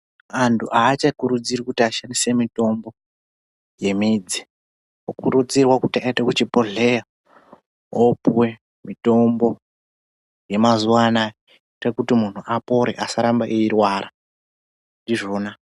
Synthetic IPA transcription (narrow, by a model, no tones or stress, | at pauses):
antʰuʔaːt͡ʃakuɾud͡zirikutiaʃanise̞mito̞mbo̞ | je̞mid͡zi̥ | okuɾud͡zirwakutiaitekut͡ʃipo̞ɮe̞ja | opwe̞ | mito̞mbo̞ | je̞mazuwana | rekutimun̤uʔapo̞ɾḛʔasaɾambaʔiirwaːɾa | ndiʐo̞ːna